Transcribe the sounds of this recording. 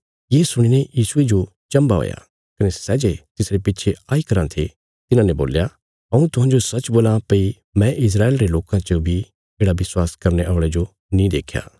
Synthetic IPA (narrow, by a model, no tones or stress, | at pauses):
jeːsʊɽ̃inejiːsʊed͡ʒo | t͡ʃɐ̃mbaɦo̰ːja̰ | kɐnesɛːd͡ʒet̪ɪsɾepɪtːt͡ʃʰeaːikɐɾãt̪ʰe | t̪ɪnãnẽbo̰ːlja | ɦɐũt̪ʊɦãːɲd͡ʒosɐt͡ʃboːlãpɐi | mɛ̃ʔɪs̬ɾaːeːlɾeloːkãt͡ʃobʱi | eːɽaʋɪswaːskɐɾneʔɔːɭ̃ed͡ʒo | nĩd̪ḛːkʰja̰ː